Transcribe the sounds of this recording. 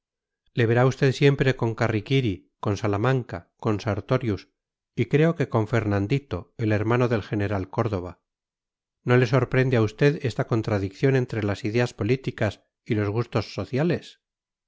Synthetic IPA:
le̞βe̞ɾaust̪e̞ðsje̞mpɾe̞ko̞ŋkarikiɾi | ko̞nsalamãŋkako̞nsaɾt̪o̞ɾjus | ikɾe̞o̞ke̞ko̞ɱfe̞ɾnãnd̪it̪o̞e̞le̞ɾmano̞ðe̞lxe̞ne̞ɾalko̞ɾðo̞β̞a | no̞le̞so̞ɾpɾe̞nd̪eaust̪e̞ðe̞st̪ako̞nt̪ɾaðikθjo̞nẽ̞nt̪ɾe̞lasiðe̞aspo̞lit̪ikas | ilo̞zɣust̪o̞sːo̞θjale̞s

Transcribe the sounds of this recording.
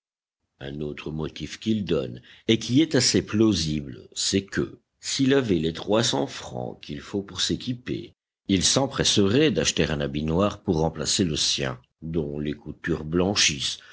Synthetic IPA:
ɛ̃not̪χəmɔt̪ifkʲild̪ɔ̰nekʲiɛt̪aseploziblsɛkə̰ | silavɛlet̪χwasɑ̰̃fχɑ̰̃kʲilfopuʁsekʲipḛ | ilsɑ̃pχɛsəʁɛd̪aʃt̪eʁɛ̃nabinwaʁpuʁːɑ̃pla̰seləsjɛ̰̃ | d̪ɔ̃lekut̪yʁblɑ̃ʃis

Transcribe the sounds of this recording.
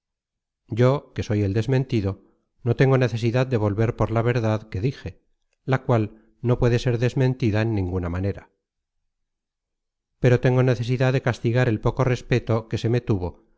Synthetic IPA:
ɟ͡ʝo̞ke̞so̞je̞ld̪e̞zmẽ̞nt̪iðo̞ | no̞t̪e̞ŋɡo̞ne̞θe̞siðaðd̪e̞β̞o̞lβe̞ɾpo̞ɾlaβe̞ɾðaðke̞ðixe̞ | lakwal | no̞pwe̞ðe̞se̞ɾðe̞zmẽ̞nt̪iðaenːĩŋɡunamane̞ɾa | pe̞ɾo̞t̪e̞ŋɡo̞ne̞θe̞siðaððe̞kast̪iɣaɾe̞lpo̞ko̞re̞spe̞t̪o̞ke̞se̞me̞t̪uβo̞

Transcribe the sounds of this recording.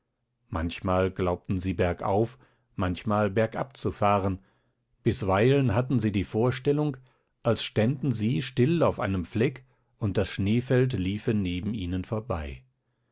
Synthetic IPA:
mançmaːlɡlaʊp̚tn̩ziːbɛɐkʔa̰ʊf | mançmaːlbɛɐkʔa̰p̚t͡sufaːʁən | b̥ɪsv̥aɪlənɦatn̩ziːdiːfoːɐʃtɛlʊŋk | ʔalsʃtandn̩ziːʃtɪlaʊfʔaɪnəmflɛk | ʔʊnt̚d̥asʃneːfɛltliːfəneːbm̩iːnənfoːɐbaɪ

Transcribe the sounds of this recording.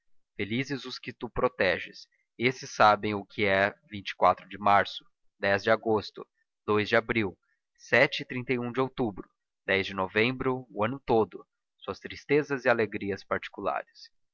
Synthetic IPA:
felizɪzʊskɪt̪upɾot̪ɛʒɪs | esɪsːabẽj̃ʊkʰɪɛvĩnt͡ʃɪ̥kwat̪ɾʊd͡ʒɪmaɾsʊ̥ | d̪ɛzd͡ʒɪaɡost̪ʊ̰ | d̪ojzd͡ʒɪabɾiw | sɛt͡ʃɪɪt̪ɾĩnt̪ejũd͡ʒɪowt̪ubɾʊ | d̪ɛzd͡ʒɪnovẽmbɾʊːɐ̃nʊt̪od̪ʊ | suɐst̪ɾist̪ezɐzɪaleɡɾiɐspaɾt͡ʃi̥kula̰ɾɪs

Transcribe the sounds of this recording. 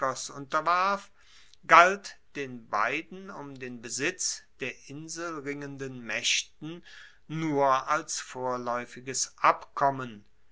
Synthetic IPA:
ɔsʔʊntɐvaɐf | ɡ̥altd̥eːnba̰ɪdn̩ʊmdeːnbəzɪt͡sd̥eːɐʔɪnzl̩ʁɪŋəndənmɛʃtn̩ | nuːɐalsfoːɐlɔʏfɪɡəsʔapkʰɔmən

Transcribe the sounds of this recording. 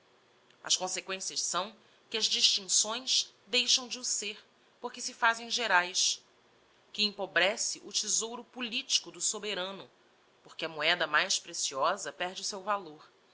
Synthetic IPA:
ɐ̰ʃkõsekwẽsiɐʃsɐ̃w̃ | kɪɐzd͡ʒiʃt͡ʃĩŋsõj̃ʃ | d̪ejʃɐ̃w̃d͡ʒɪʊseɾ | poχkɪsɪfazẽj̃ʒeɾajʃ | kɪĩpobɾɛsɪʔʊt͡ʃizowɾʊpulit͡ʃi̥kʊd̪ʊsobeɾɐ̃nʊ | poχkɪɐmuɛd̪ɐmajʃpɾesiɔzɐpɛɾd͡ʒɪʊsewvaloɾ

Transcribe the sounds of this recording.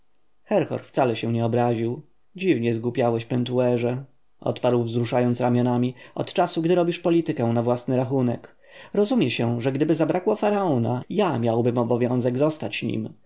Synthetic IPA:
xɛɾxɔ̰ɾft̪salɛɕɛ̃ɲɛɔbɾaʑiw | d͡ʑivɲɛzɡupʲjawɛɕpɛnt̪uɛʐɛ | ʔɔ̰t̪paɾwvzɾuʂajɔnt̪sɾamʲjɔnamʲiɔ̰t̪t͡ʂasuɡd̪ɘɾɔbʲiʂpɔlʲit̪ɘkɛw̃navwasnɘɾaxunɛ̰k | ɾɔzumʲjɛɕɛʐɛɡd̪ɘbɘzabɾʔakwɔfaɾaɔna̰jamʲjawbɘmɔbɔvʲjɔ̃w̃zɛɡzɔst̪at͡ɕɲḭm

